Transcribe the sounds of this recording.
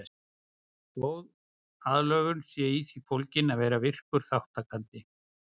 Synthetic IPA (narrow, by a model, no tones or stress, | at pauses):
koːwð | aðlœːɣʏnsjɛiθifowlcɪnaðvɛːɾavɪr̥kʏɾ̥θawht̪akʰant̪ɪ